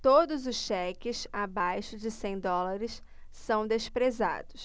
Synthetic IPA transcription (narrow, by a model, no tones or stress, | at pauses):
t̪od̪ʊzʊsʃɛkɪsabajʃʊd͡ʒɪsẽj̃d̪ɔlaɾɪsː | ɐ̃w̃d̪eʃpɾeza̰d̪ʊs